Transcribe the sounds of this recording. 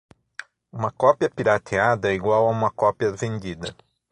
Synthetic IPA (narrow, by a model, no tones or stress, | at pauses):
ũmɐkɔpjɐpiɾat̪ʰead̪ɐiɡwawaũmɐkɔpjɐvẽnd͡ʒid̪ɐ